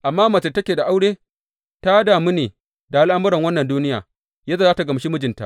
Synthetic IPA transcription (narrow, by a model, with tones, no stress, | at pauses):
ʔa˨mːaː˦maː˨t͡ʃe˨tɐ˦kʲeː˨da˨ʔa˦wɽeː˦ | ta˦daː˨mi˦neː˨ | da˨ʔa˨lʔa˦mʊ˦ɾɐ˨ŋwɐ˦nːɐ˨nduː˦nɪ˦jaː˨ | jaː˦zaː˦˨zaː˦ta˨ɡɐ˨m˨ʃi˦mʊ˦d͡ʒɪ˨nta̰˨